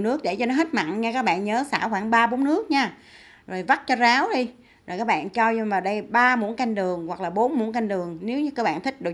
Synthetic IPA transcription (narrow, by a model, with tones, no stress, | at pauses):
nɨ˦˥ək̚ɗe˧˩t͡ɕɔ˧nɔ˨˦ɦe˦˥t̚ma̰˧˨nɲaː˧kaː˦˥k̚ɓa̰ː˧˨nɲəː˨˦saː˧˩xwaː˧˩ŋɓaː˧ɓo˨˦nnɨ˦˥ək̚ɲaː˧ | zo˨˩jva˦˥t̚t͡ɕɔ˧zaː˨˦wɗi˧ | zo˨˩jkaː˦˥k̚ɓa̰ː˧˨nt͡ɕɔ˧ɲ˧vaː˨˩wɗə˧jɓaː˧mṵ˨˧˥ənka˧jŋ̟ɗɨ˨˩əŋwa˨˩k̚laː˨˩ɓo˨˦nmu˧˥nka˧ŋɗɨ˨˩əŋne˨˦wɲɨ˧˥kəː˧˥ɓa̰ː˧˨nt̪ʰï˦˥k̟̚ɗɨ˨˩